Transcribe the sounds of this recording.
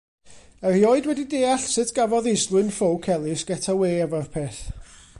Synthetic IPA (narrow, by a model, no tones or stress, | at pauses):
ərjɔɨdwɛdideːaɬsɪtʰɡ̥avɔðɪslˠwɨnfowkʰɛlˠɨsɡ̥ɛtʰaweːɛvɔrpʰeːθ